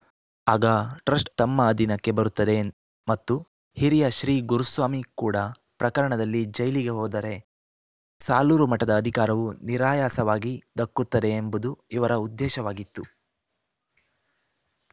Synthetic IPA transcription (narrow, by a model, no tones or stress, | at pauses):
aːɡɐʈɾɐsʈt̪ɐmːɐːd̪inɐkːe̞bɐɾut̪ːɐd̪e̞ | mɐt̪ːu | hiɾijɐʃɾiːɡuɾusʋaːmikuːɽɐ | pɾɐkɐɾɐɳɐd̪ɐlːid͡ʒɐjliɡe̞ɦɔːd̪ɐɾe̞ | saːluːɾumɐʈːɐd̪ɐːd̪ʱikaːɾɐʋuniɾaːjaːsɐʋaːɡid̪ɐkːut̪ːɐd̪e̞ːmbud̪uiʋɐɾɐud̪ːɛːʃɐʋaːɡit̪ːu